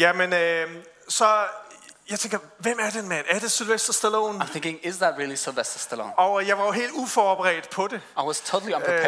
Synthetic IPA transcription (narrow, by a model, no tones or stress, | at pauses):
jæmenøsɒ̽ | jɑaɪt͡sʰeŋɡ̥ɐʋemæɐd̥enmænæɐd̥e̝sylˠʋesd̥ɐsd̥æloːnãɪ̃mθɪ̃ŋkɪ̃ŋɪzðətɹeːlˠisylˠʋesd̥əsd̥ælõ̰ʊ̃nɒʊjɑ̈ɪʋɑ̈joɦe̝̰ːldufɒːb̥əʁɛ̰ːd̥pʰɒ̽d̥e̝aɪwɒz̥tʰoʊɾəl̩ˠiʌ̃pʰɹə